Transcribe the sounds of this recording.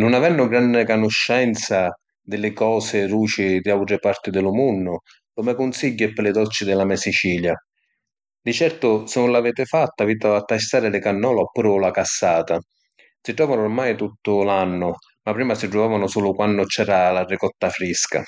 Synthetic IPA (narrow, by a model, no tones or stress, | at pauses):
nʊnavɛnːʊɡɾanːɪkanʊʃːɛnt̪sa | d̪ɪlɪkɔːsɪruːt͡ʃɪd̪iawt̪ɾɪpart̪ɪd̪ɪlʊmunːʊ | kɔmɛkʊnsiɟːɪpːɪlɪd̪ɔlt͡ʃɪd̪ɪlamɛsit͡ʃiːlja | d̪it͡ʃɛrt̪ʊsɪnːʊnlavɛːt̪ɪfat̪ːaviːt̪aat̪ːast̪aːɾɪlɪkanːɔːlaɔpːuːɾʊlakasːaːt̪a | siʈ̪ɾɔːvanʊrmajt̪ut̪ːʊlanːʊ | mapːɾiːmasiʈɾʊvaːvanʊsuːlʊkwanːʊt͡ʃɛːɾalarɪkɔt̪ːafɾiska̰